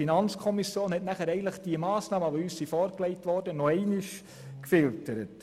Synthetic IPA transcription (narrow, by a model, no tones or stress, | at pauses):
inɑnt͡skʰɔmisjoːnhɛtnæχæɾɛɪɡəntləχd̥iəmɑːsnɑːməʋoyːssifɔːɾklɛɪtʋɔɾdənɔɛɪnɪʃ | kfɪltəɾət